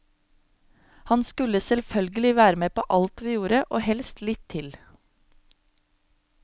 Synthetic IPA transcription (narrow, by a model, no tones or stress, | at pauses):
hɑnskʉləsɛlfœlɡəlɪʋæːɾəmeːpʰo̰ːʔɑlt̪ʋiːjuːɾəʔoːhɛlst̪lɪt̪ʰːɪl